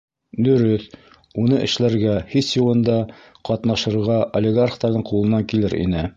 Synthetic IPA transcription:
d̪ɵ̆ɾɵθ | unɤʔɘ̰̆ʃlæɾɡæhisjulˠɤ̆nd̪ɑ | qɒt̪nɑʃɤ̆ɾʁɑʔolʲɪɡarχt̪ɑɾðɤɴqulˠɤ̆nɑŋkilɘɾʔḭnɘ

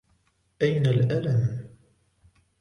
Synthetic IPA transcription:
ʔajnalʔalam

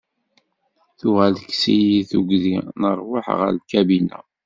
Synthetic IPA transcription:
θʊʁælksijiθuɡðinəɾˤwəħʁə̰ɾlkæbinæ̰

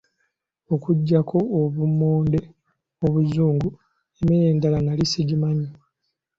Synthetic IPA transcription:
okuɟːakʰo̞ːβumoːnde̞ | oβuzuːŋɡu | emijeːndalanalisiɟimaɲo

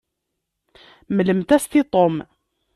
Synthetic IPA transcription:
mələmt̪æst̪it̪ˤom

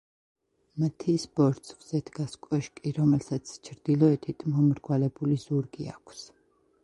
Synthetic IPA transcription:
mt̪ʰisbɔɾt̪sχz̥ɛt̪ʰɡaskʼɔʃkʼiɾɔmɛlsat̪sʰt͡ʃʰɾd̪̥ilˠɔɛt̪ʰit̪ʼmɔmɾɡwalɛbulizuɾɡia̰kʷʰs

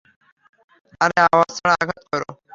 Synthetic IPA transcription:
aɾeawasɔɽ̃aɡʱat̪kɔɾo

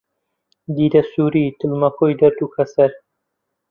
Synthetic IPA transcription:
d̪iːd̪ɐsuːɾiːt̪ʰɨlmɐkʰojd̪ɐɾt̪uːkʰɐsɐɾ

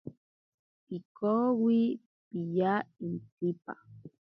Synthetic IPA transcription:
pikowi | pijaint̪ipa̰

